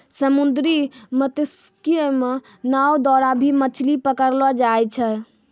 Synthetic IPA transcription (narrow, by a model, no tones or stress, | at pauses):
səmund̪ɾimət̪eskieme | nawd̪ɔɾabʱimət͡ʃʰlipəkəɾlɔd͡ʒajt͡ʃʰɛ